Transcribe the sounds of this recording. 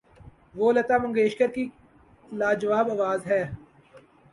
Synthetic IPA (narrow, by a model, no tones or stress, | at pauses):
ʋoːlɐt̪aːmɐ̃ŋɡeːʃkəɾki | laːd͡ʒəʋaːbɐʋaːzɦɛː